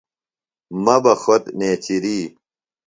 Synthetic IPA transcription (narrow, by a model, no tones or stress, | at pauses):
mɐbɐxot̪neːt͡ɕiɾiː